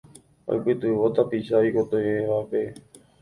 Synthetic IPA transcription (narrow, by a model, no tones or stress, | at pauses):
o̰jpɨt̪ɨʋot̪apiʃaikot̪ojeʋape̞